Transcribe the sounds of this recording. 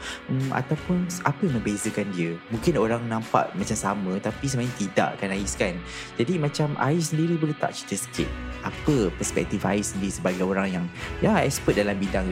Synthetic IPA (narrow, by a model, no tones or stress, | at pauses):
əma̰t̪awpʊnapəjmə̃bezəkandiəmũŋkɪnoɾaŋnãmpa̰ʔmãt͡ʃamsamə̃t̪apis̬əmaɲãt̪ida̰ʔakanaɪskan | d͡ʒadimãt͡ʃamʔa̰ɪsəndiɾibolet̪a̰ʔt͡ʃit̪əsə̥kɪ̰t̪̚ʔapəpəspɛ̰k̚t̪ifa̰ɪssəndiɾisəbaɡajoɾaŋjaŋjaɛ̰kspət̪̚dalambidaŋ